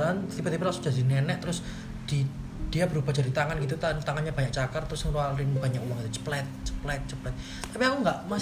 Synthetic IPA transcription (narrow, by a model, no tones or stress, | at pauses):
ansibət̪ipɾlasud͡ʒ̥ad̪inɛnɛʔt̪əɾʊs | d̪̥id̪̥ijabəɾubad͡ʒa̤dit̪aŋanɡit̪ut̪at̪aŋanɲab̥aɲak̚t͡ʃakərt̪ːəɾʊsŋɾualɪnb̥a̤ɲakuwaŋit̪ut͡ʃə̥plɛt̪̚t͡ʃə̥plɛt̪̚t͡ʃəplɛt̪̚ | t̪ːapiakuŋɡaʔma